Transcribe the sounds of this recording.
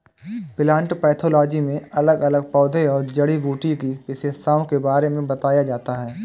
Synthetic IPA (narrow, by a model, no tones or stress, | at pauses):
pɪlãːɳʈpɛːt̪ʰoːlɔːd͡ʒimẽɐləɡɐləɡ̚pɔːd̪ʱeɔːɾd͡ʒɐɽibuːʈikipɪseːst̪aːõkebaːɾemẽbɐt̪aːjad͡ʒaːt̪aɦɛː